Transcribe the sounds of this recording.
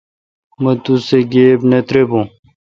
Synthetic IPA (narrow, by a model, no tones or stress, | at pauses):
mɐt̪useɡeːbnet̪ɾebũ